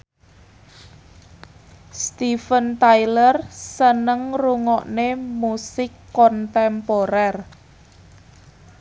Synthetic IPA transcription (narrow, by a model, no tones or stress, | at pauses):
st̪ifənt̪ajlərsənəŋruŋɔʔnemusɪkːɔnt̪ɛmpoɾɛr